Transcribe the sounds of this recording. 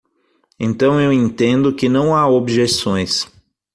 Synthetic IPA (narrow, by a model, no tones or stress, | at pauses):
ẽnt̪ɐ̃w̃ewẽnt̪ẽnd̪ʊkɪnɐ̃w̃aobʒesõj̃s